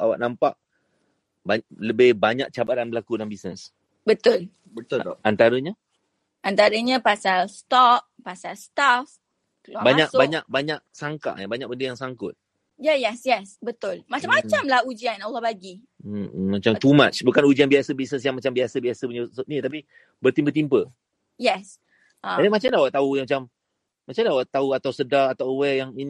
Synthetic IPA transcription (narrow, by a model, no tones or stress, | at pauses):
ʔawa̰ʔ̚nampaʔ | baaləbɪhbaɲaʔ̚t͡ʃabat̪anbəlakudanbisnəs | bət̪ʊl | bət̪ʊltɔʔant̪aɾəɲa | ʔant̪aɾəɲapasalst̪ɔk̚pasalst̪af | labaɲakbaɲak̚baɲaʔ̚saŋka̰ʔabaɲak̚bəndəjaŋsaŋkʊ̰t̪̚ | jɛjɛsjɛsbət̪ʊlmat͡ʃamat͡ʃamlahud͡ʒianɔlːɔbaɡi | mat͡ʃamt̪umat͡ʃbukanud͡ʒianbiasəbisnəs̬jaŋmat͡ʃambiasəbiasəpuɲəsoʔnit̪ap̬i | bərt̪impət̪̬impə | jɛs | ʔaadəmat͡ʃamlawaʔt̪aujaŋmat͡ʃamː | at͡ʃandawaʔt̪auat̪awsədaːt̪awwɛjaŋin